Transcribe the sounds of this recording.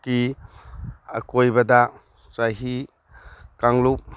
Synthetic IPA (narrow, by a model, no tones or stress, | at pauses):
ki | a̰kojbɐda | t͡ʃajɦi | kaŋlup̚